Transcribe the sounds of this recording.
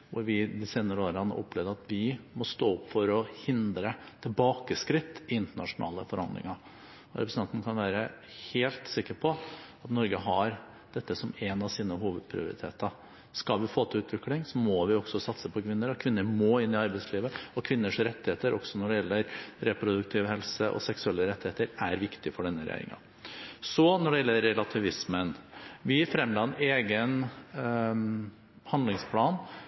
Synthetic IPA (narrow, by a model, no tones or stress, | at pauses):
ʋʊɾʋɪd̪ɪseːnəɾəoːɾəɑnːə̰ʔɔ̰pːlɛʋd̪əɾɑt̪ʋɪmɔst̪oːʊpːfɔɾɔhɪnd̪ɾət̪ʰɪlbɑːkəskɾɪt̪ːɪɪnt̪əɳɑʂʊnʔɑ̰ːlə̰fɔɾhɑnd̪lɪ̰ŋɑɾ | ɔɾɛpɾsɑnt̪n̩kʰɑnʋæːɾə | heːlt̪sɪkːəɾpʰɔɑt̪nɔɾɡəɦɑɾ | d̪̥ɛt̪ːəsɔmɛnɑʋsiːnəɦuːʋəd̪̚pʰɾɪ̰ʊ̰ɾɪ̰t̪ʰḛːt̪əɾ | skɑlʋɪfoːt̪ʰɪʉːt̪ʰʋɪklɪŋsɔmɔʋɪɔɡsɔsɑt̪səpʰɔkʰʋɪnːəɾɔkʰʋɪnːəɾmoːɪnːɪɑɾbɛɪsliːʋəɔkʰʋɪnːəʂɾɛt̪ːɪheːt̪əɾʔɔksɔnɔɖɛjɛlːəɾɾɛpɾʊd̪ʉk̚t̪ʰɪʋhɛlsəʔɔ̰sɛksʉɛlːəɾɛt̪ːɪheːt̪əɾæɾʋɪkt̪ɪfɔɖɛnːəɾɛ̰ḛɾɪ̰ŋɑ̰ | sɔnɔɖɛjɛlːəɾːɛlɑt̪ʰɪʋɪsmənʋɪfɾɛmlɑneːɡən | hɑnlɪŋspʰlɑːn